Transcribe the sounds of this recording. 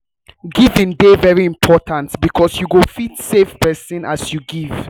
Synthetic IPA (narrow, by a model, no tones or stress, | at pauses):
ɡivɪ̃ndevɛɹiĩmpʰɔtãntbikʰɔsjuɡofitsefpɛsĩnʔasjuɡiv̥